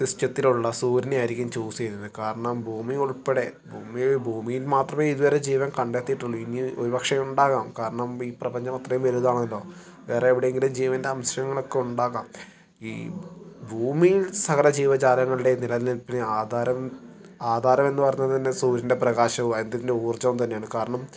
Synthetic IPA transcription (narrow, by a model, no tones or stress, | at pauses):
sistjɐt̪ːiluɭːɐsuːɾineaːjɾikʲːumt͡ɕoːsiejɾunːɨkaːɾɐɳɐmbʱuːmiuɭpːeɽe̞bʱuːmibʱuːmijilmaːt̪rɐmeːiðuʋɐɾe̞d͡ʑiːʋɐmkɐɳɖe̞t̪ːijiʈːuɭːuinio̞ɾupɐkʂɐjuɳɖaːɣaːmkaːɾɐɳɐmiːprɐbɐɲd͡ʑɐmɐt̪rɐjumʋeluðaːɳeilːo̞ː | ʋe̞ːreːʋiɽejeŋɡilumd͡ʑiːʋɐndeɐmɕɐɾɐjɐŋːɐɭo̞kːe̞uɳɖaːɣaːm | iːbʱuːmijilsɐɣɐlɐd͡ʑiːʋɐt͡ɕaːlɐŋːɐɭɨɽe̞nilɐðilnilpinːeaːd̪aːɾɐm | aːd̪ʱaːɾɐme̞nːɨpɐrɐɲːɐðt̪ɐnːesuːɾinde̞prɐɣaːɕɐuend̪iðindeuːrt͡ɕːɐʋumt̪ɐnːejaːɳɨkaːɾɐɳɐm